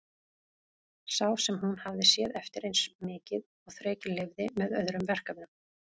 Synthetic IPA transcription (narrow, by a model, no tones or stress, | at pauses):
saːwsɛmhunhavðɪsjɛːðɛft̪ɪɾejnsmɪːcɪð | ɔɣθɾɛːcɪlɪvðɪmɛðœðɾʏmvɛr̥kavɪnʏm